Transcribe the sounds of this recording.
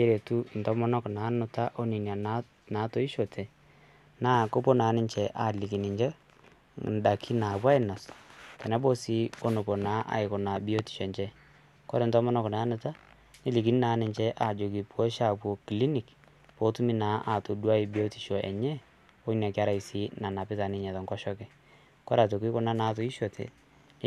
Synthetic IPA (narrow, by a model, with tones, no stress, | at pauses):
e˦ɾe˨tu˦n̩tɔ˦mɔ˦nɔ˦kna˨˦nʊ˨ta˦ʔo˦ni˨nja˨na˦ | na˨˦to˦i˦ʃɔ˨tʰɛ˨ | naː˦ko˦po˦na˨˦nɪ˦nt͡ʃɛ˨ʔa˨li˨ki˨ni˨ɲd͡ʒɛ˦ | nda˨kʰi˦na˨pwa˦i˦˨na˨skɛ˨nɛ˦bɔ˦si˦o˦no˨pɔ˨naː˦ʔa̰˨ɪ˨kɔ˨na˨bi˦o˦ti̥˨ʃɔ˨t͡ʃɛ˦ | kɔ˦ɾɛ˨ntɔ˦ma˦nɔ˦kɔ˨na˦nɪ˨ta˦ | ni˦li˨ki˨ni˦naː˨˦nɪ˨nt͡ʃɛ˦ʔa˨d͡ʒo˨ki˨pɔ˦ʃa˦˨pwɔ˨ki˨li˦ni˨k | po˨˦tu˦mi˦na˨˦ʔa˨to˨dwa˦i˨bi˦o˦ti̥˨ʃɔ˨ʔɛ̰˨ɲɛ˦ | o˦na˨kɪ˦a˦ɾa˨i˨si˦na˨na˨pɪ˦ta˨nɪ˦ɲɛ˨ta˨ŋkɔ˦ʃɔ˦kɛ˨ | kɔ˦ɾa˨to˨ki˦kɔ˦na˦naː˦to˨i˦ʃɔ˨tʰɛ̰˨ | n˦